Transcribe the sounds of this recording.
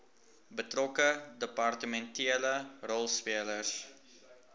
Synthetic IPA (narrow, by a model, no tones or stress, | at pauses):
bətrɔkədəpɑrtəmɛntiələrɔlˠspiələrs